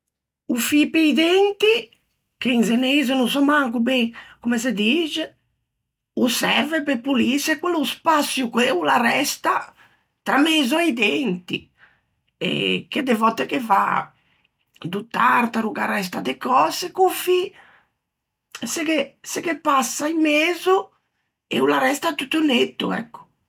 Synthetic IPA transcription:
ufipeid̪ent̪i | keinzenezɔnusɔmaŋkubɛkɔmɛs̬ed̪iːd͡ʒɛ | usɛɾvɛpepulisɛkwelːuspasːjukweulaɾɛst̪a | t̪ɾameːzɔɛid̪ent̪ḭ | ɛ̰k̟ed̪evɔt̪ːɛkeva̰ | d̪ut̪aɾt̪aɾuɡarɛs̬t̪ad̪ekɔːsekufi | sekesekepːasːaimeːzu | ɛ̰ulaɾɛst̪at̪ut̪ːunet̪ːṵɛ̰kːu̥

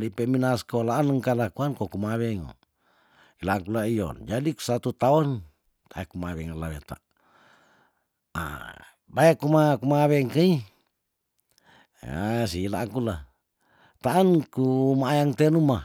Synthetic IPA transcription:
lipeminaskolaːnəŋkalakuankokumaβɛŋo̰ | ilaŋkulaijɔ̰nd͡ʒadiu̥sat̪ut̪aɔn | t̪aɛkumaβɛŋalaβḛt̪a̰ | a̰ | baɛkumakumaβɛŋkai | a̰siːlaŋkula̰ | t̪aːnkumaːjaŋt̪enuma

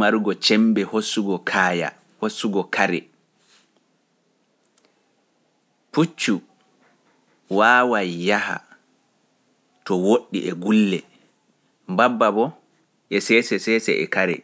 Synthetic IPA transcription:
aɾɡɔt͡ʃɛmbɛhosuɡɔkʰaːja̰ | hosːuɡɔkʰaɾɛ | put͡ʃːu | waːwajːaha̰ | tɔwoɗːiʔɛɡulːɛ | mbabːabɔ | ʔɛsɛsɛsɛsɛ̰ʔɛ̰kaɾɛ̰

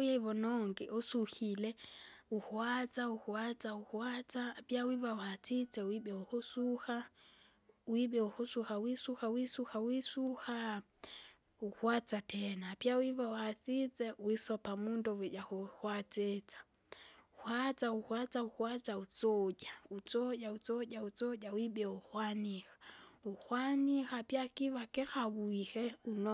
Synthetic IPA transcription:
ujɛiβɔnɔŋɡɛʔɔsuxilɛuhwat͡sauhwat͡sauhwat͡saːpjawivawat͡sit͡sɛwiɓɛuhusuxa | wiɓɛuhusuxawisuxawisuxawisuha | uhwat͡satʰɛnapiawiβawaθit͡sɛwisɔpamundɔwɛʄahuhwat͡ʃɛt͡sḁ | uhwat͡sauhwat͡sauhwat͡saut͡sɔʄaut͡sɔɟaut͡sɔʄaut͡sɔʄawiɓɛuxwanixḁuxwanixapiakiβakɛxaβuihɛunɔ

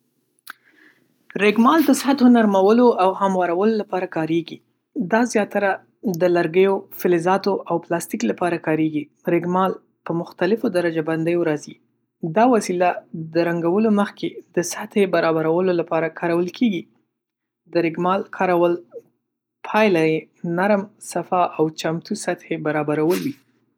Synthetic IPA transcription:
ɾeɡmɑld̪əsɪɦat̪onaɾmawəloʔawhamwɑɾawəlolapɑɾakɑɾeɡi | d̪ɑzjɑt̪aɾa | d̪əlaɾɡəjofɪlɪzɑt̪oʔawplɑst̪iklapɑɾakɑɾeɡi | ɾɪɡmɑl | pəmʊxt̪alɪfod̪aɾad͡ʒaband̪əjoɾɑzi | d̪ɑwasilad̪əɾaŋɡawəloməxkʰed̪əsat̪hebaɾɑbaɾawəlolapɑɾakʰɑɾawəlkʰeɡi | d̪əɾɪɡmɑlkʰɑɾawəl | pʰɑjlaje | naɾmsafɑʔawt͡ʃamt̪usat̪hebaɾɑbaɾawəlwi

